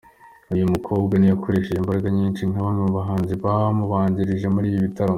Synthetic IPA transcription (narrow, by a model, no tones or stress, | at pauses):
ujumukʰo̞ːbɡanijakoɾeːʃejimbaɾaɡaɲiːnt͡ʃiŋaβamumuβaɦaːnziβaβamuβaːɲɟiɾiʒe̞muɾiːβiβitaɾo